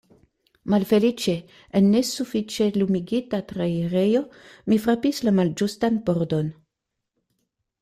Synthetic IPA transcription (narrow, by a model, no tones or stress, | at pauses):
malfe̞lit͡ʃe̞ | enːe̞sufit͡ʃe̞lumiɡitatɾaiɾe̞jo̞mifɾapislamald͡ʒustanbo̞ɾdo̞n